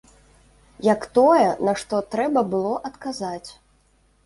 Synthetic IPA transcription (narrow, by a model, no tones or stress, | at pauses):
jɐkt̪ɔjɛnɐʂt̪ɔt̪ɾɛbɐbɨlˠɔʔɐt̪kazat͡sʲ